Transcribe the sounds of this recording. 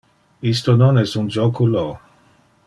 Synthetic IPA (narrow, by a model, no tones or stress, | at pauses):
ist̪ononɛst̪und͡ʒokulo